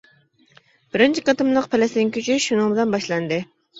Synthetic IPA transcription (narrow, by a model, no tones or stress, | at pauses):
b̥ɪɾɪnt͡ʃʰiqɑt̪ɨmlˠəqpʰɛlɪsɪnɪŋkʲʰyt͡ʃʰyʃunɨŋbɪlɛnbɑʃlˠɑnd̪ɨ